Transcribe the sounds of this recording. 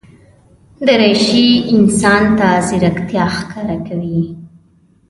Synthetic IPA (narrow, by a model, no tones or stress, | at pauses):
d̪əɾajʃiɪnsɑnt̪azɪɾakt̪jɑxkɑɾakawi